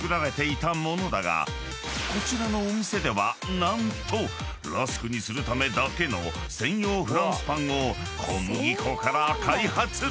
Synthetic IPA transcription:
kɯ̟ɾaɾe̞t̪e̞it̪amo̞no̞d̪aɡa̰ | ko̞t͡ɕiɾano̞ːmʲise̞d̪e̞βanãnt̪o̞ | ɾasɨ̥kɯ̟ɲ̟isɨɾɯ̟t̪ame̞d̪ake̞no̞̰ | sẽ̞ɰ̃jo̞ːɸɯ̟ɾãsɨ̥pãɰ̃o̞ | kʰomoɡʲikʰo̞kaɾakʰaihat͡sɨ

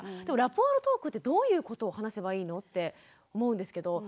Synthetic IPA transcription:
d̪̥e̞moɾapo̞ːɾot̪o̞ːkɯ̟t̪ːe̞d̪o̞ːjɯ̟ːko̞t̪o̞ːhanase̞baiːno̞t̪ːe̞ | omo̞ɯ̟̃nd̪e̞sɨ̥ke̞d̪o̞

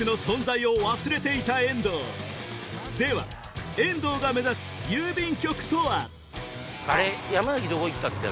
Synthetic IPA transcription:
ɯ̟no̞sõ̞nzaio̞βasɨɾe̞t̪e̞it̪aẽ̞nd̪o̰ː | d̪e̞βa̰ | ẽ̞nd̪o̞ːɡame̞zasɨ̥jɨːbʲĩŋkʲo̞kɯ̟̥t̪o̞βa | aɾejamanakʲid̪oɡoit̪ːat̪ːḛ

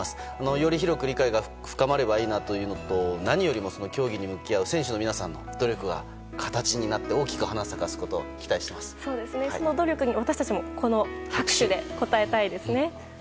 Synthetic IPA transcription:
sɨ̥ | ano̞jo̞ɾʲiçiɾo̞kɯ̟ɾʲikaiɡa | ɸɯ̥kamaɾe̞baiːnat̪o̞jɯ̟ːno̞t̪o̞naɲ̟ijo̞ɾʲimo̞so̞no̞kʲo̞ːɡʲiɲ̟imɯ̟kʲiaɯ̟sẽ̞ɰ̃ɕɨnmʲinasãnːo̞d̪̥o̞ɾʲo̞kɯ̟ɡa̰ | kʰḁt̪at͡ɕiɲ̟inat̪ːe̞o̞ːkʲi̥kɯ̟hanasakasɨ̥ko̞t̪o̰ːkʲi̥t̪aiɕi̥t̪e̞masɨ̥so̞ːd̪e̞sɨne̞sono̞d̪o̞ɾʲo̞kɯ̟ɲ̟iβat̪aɕi̥t̪at͡ɕimo̞ko̞no̞hakɯ̟̥ɕɨd̪e̞ko̞t̪ae̞t̪aid̪e̞sɨne̞

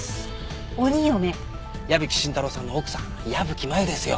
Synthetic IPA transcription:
oɲ̟iome | jabɯ̟kʲi̥ɕĩnt̪aɾo̞sãnːo̞ːkɯ̟̥sãŋjabɯ̟kʲimaed̪e̞sɨjo̰

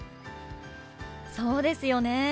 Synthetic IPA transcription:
so̞ːd̪e̞sɨjo̞ne̞

